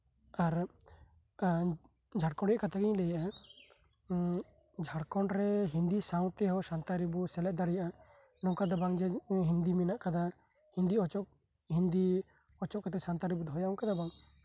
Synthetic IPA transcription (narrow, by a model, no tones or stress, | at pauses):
aɾ | d͡ʒʱaɽkɔɽiʔkat̪ʰaɡiɲlɛjaʔa | d͡ʒʱaɽkɔɳɾɛɦind̪isaw̃t̪ɛɦɔsant̪aɾibusɛlɛʔd̪aɽijaʔa | nɔkad̪abaŋd͡ʒɛɦind̪iminaʔkad̪a | hind̪iɔt͡ʃɔk̚ | hind̪i | ɔt͡ʃɔʔkat̪ɛsant̪aɾibud̪ʱɔjaũkad̪abaŋ